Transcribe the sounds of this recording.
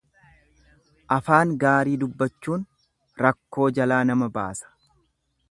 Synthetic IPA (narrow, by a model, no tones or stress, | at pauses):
ʔɐfaːŋɡaːɾiːd̪ʊbːɐt͡ʃːuːn | ɾɐkːo̞ːd͡ʒɐlaːnɐmɐba̰ːsɐ̥